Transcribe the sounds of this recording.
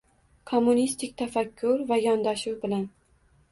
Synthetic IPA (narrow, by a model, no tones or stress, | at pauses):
kʰomːunist̪ʰɪk̚ʲt̪ʰafakʲʰːʊɾvajɒnd̪aʃuwbɪlan